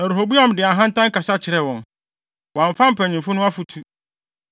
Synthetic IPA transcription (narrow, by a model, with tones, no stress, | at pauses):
ɛ˨ɾɦo˨bu˦ã˦˨m˨dɪ˨a˨ɦã˦n̩˦tʰã˦ŋ̩˦ka˨sa˦t͡ɕʰɪ˨ɾɛ˨wɔ̃˨n | wɔ̃˨a˨ɱ̩˨fã˦m̩˦pʰæ̃˨ɲ˨ĩ˨mfʊ˦nʊ̃˦a˦fu˨tʰu˦